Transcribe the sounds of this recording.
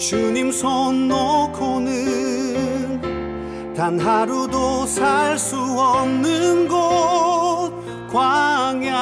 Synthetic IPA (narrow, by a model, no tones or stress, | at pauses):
t͡ɕuɲimsʰonːokʰonɯ | n | t̪anɦaɾudosʰaɭs͈uʌmnɯnɡo | kwaŋja